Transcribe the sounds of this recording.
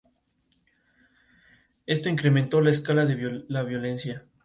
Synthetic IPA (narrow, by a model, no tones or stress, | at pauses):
e̞st̪o̞iŋkɾe̞mẽnt̪o̞laeskalaðeβlaβjo̞le̞nsja